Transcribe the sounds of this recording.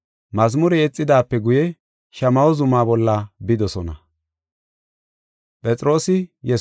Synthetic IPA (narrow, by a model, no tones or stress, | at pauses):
mɐzmʊɾɛɛt͡sʼːɪd̪aːpːɛɡʊjɛ | ʃɐmɐwɔzʊmaːbɔlːɐbɪd̪ɔsɔnɐ | pʼɛt͡sʼɾo̞ːsɪjɛ